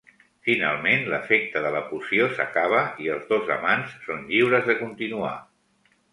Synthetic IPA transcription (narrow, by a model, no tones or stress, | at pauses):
fina̰lˠmenləfɛk̚t̪əðələpusiosə̰kaβ̞əiəlˠzðozə̰mansːonʎiwɾəzðəkunt̪inua̰